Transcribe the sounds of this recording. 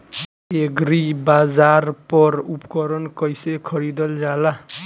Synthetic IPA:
eɡɾibad͡zarpɔɾupkɔɾɔnkʌjsekʰʌɾid̪ʌld͡zala

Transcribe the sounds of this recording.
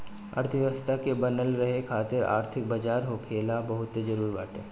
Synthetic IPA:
a̰ːɾt̪ʰʋjəʋəst̪ʰakebɐnəlɾɐɦekʰaːt̪ɪɾa̰ːɾt̪ʰɪk̚bɐd͡ʒaːɾɦokʰeːlabɐɦʊt̪ːed͡ʒɐɾuːɾibaːʈeː

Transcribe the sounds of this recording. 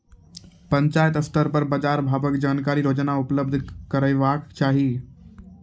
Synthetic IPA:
pɐ̃ɲt͡ʃaːjət̪ɐsʈəɾpəɾbad͡ʒaːɾbʱaːʋəkd͡ʒaːnkaːɾiɾoːd͡ʒnaʊpləb̚d̪ʱkəɾəiʋaːkt͡ʃaːɦiː

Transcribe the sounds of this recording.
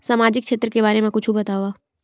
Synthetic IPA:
saːmaːd͡ʒɪkʃeːt̪ɾəkebaːɾemẽkʊt͡ʃʰubɐt̪aːwaː

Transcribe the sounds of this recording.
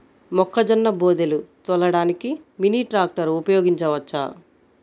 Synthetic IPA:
mɔkʰːɐd͡ʒɐnːɐboːd̪elut̪ɔlɐɽaːnikiminiːʈɾaːk̚ʈɐɾupɐjoːɡiɲt͡ʃɐʋɐt͡ʃːa̰

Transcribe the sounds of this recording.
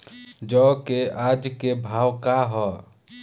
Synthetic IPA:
d͡ʒɔkead͡ʒkebʱaːwkaɦɔ

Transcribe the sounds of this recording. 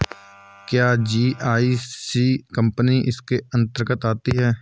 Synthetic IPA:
kjaːd͡ʒiːʔaːisiːkəmpniʔɪskeə̃nt̪əɾkət̪aːt̪iɦɛː

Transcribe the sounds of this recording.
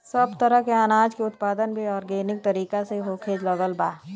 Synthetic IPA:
səbt̪əɾəɦkeaːnaːd͡ʒkeʊt̪paːd̪ənbʱiɔːɾɡeːnɪk̚t̪ɐɾiːkaseɦokʰeːd͡ʒləɡəlbaː

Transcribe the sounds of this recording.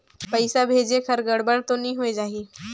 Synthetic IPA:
pəɪsabʱeːd͡ʒekʰəɾɡəɽbəɽt̪onĩːɦued͡ʒaːɦiː

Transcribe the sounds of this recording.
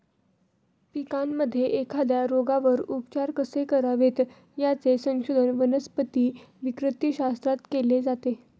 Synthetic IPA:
pikanməd̪ʱːjeʔekʰad̪jaɾoɡaʋəɾupt͡ɕaɾkəsekəɾaʋet̪ | jat͡sesə̃ŋɕod̪ʱənʋənəspət̪iːʋikɾət̪iɕast̪ɾat̪keled͡zat̪e

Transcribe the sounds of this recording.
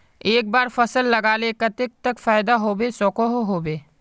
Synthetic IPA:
eːk̚baːɾfɐsəlːɐɡaːlekɐt̪ɪk̚t̪ɐkfaːɪd̪aɦoːbesɔːkoɦɦoːbeː

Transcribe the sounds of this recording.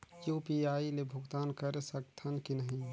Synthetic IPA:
juːpiaːilebʱʊɡt̪aːnkəɾesək̚t̪ʰɐnkinəɦĩ

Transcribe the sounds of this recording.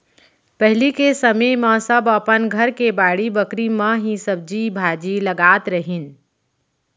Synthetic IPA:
pəɦɪlikesəməmə̃səbəpənɡʱəɾkebaːɽibəkɾimə̃ɦĩsəb̚d͡ʒibʱaːd͡ʒiləɡaːt̪ɾəɦin

